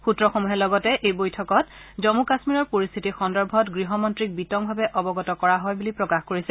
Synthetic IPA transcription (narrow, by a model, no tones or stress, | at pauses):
xutɹɔxomuɦɛlɔɡɔtɛʔejbojtʰɔkɔt̚zɔmukasmiɹɔɹpoɹist̪ʰitixɔndɔɹbʱɔtɡɹiɦɔmɔntɹik̚bitɔŋbʱabɛʔɔbɔɡɔtɔkɔɹaɦɔjbulipɹɔkaxkoɹisɛ